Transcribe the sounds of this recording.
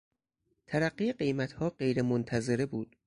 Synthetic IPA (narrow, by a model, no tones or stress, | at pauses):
t̪ʰæɾæɢːiːeɢe̞jmæt̪hɒːɢe̞jɾemont̪ʰæze̞ɾebuːd̪̥